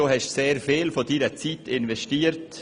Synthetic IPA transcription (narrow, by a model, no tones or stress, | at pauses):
oːhɛʃseːɾfeːlfodiːɾət͡siːtɪnvɛʃtiːəɾt